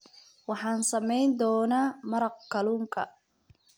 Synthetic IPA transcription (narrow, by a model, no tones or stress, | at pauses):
wɑħɑːnsɐmɛjnd̪ɔːnaːmɐɾɐqkʰɐluːŋkʰɐ̰